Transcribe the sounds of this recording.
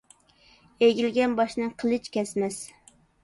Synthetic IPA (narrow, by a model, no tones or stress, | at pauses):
eɡʲilɡʲɛnbɑʃnɨqʰəlˠɨt͡ʃkʲɛsmɛs